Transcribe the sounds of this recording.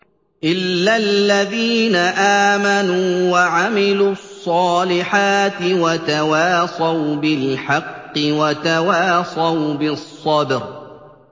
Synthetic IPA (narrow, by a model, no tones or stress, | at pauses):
ʔɪlːalːaðiːnaʔaːmanuːwaʕamɪluːɑsˤːɑːlɪħaːt̪ɪwat̪awaːsawbɪlħɑqːɪwat̪awaːsɑwbɪsˤːɑbɾ